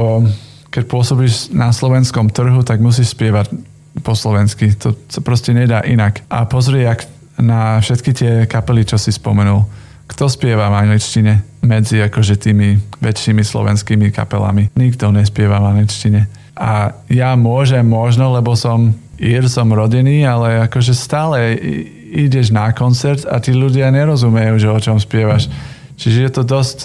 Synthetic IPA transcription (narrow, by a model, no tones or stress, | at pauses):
ɔ | kɛc̚pʊɔsɔbiːʃnʔaslɔʋɛnskɔmt̪r̩ɦut̪aɡmus̬iːʃspɪɛʋac | pɔslɔʋɛnskit̪ɔsapɾɔscɛɲɛd̪aːʔinakʔapɔzɾɪɛak | nafʃɛt̪kit̪ɪɛkapɛlit͡ʃɔsispɔmɛnul | kt̪ɔspɪɛʋavaŋɡlit͡ʃciɲɛmɛd͡ziakɔʒɛt̪iːmiʋɛt͡ʃːimislɔ̰ʋɛ̰nskiːmika̰pɛla̰miɲiɡd̪ɔɲɛspɪɛʋavaŋɡlit͡ʃciɲɛ | ʔajamʊɔʒɛmːɔʒnɔlɛbɔsɔmiɾsɔmɾɔɟɛniːalɛakɔʒɛst̪aːlɛ | iɟɛʒnakɔnt͡sɛɾt̪a̰t̪iːluɟɪaɲɛɾɔzumɛjuːʒɛɔt͡ʃɔmspɪɛʋaʃ | t͡ʃiʒɛjɛt̪ɔd̪ɔsc